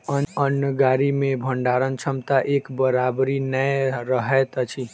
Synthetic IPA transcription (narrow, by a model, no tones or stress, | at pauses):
əənəɡaɾimebʱəɳɖaɾənt͡ʃʰəmt̪aʔekbəɾabɾinəjɾəɦɛt̪ət͡ʃʰi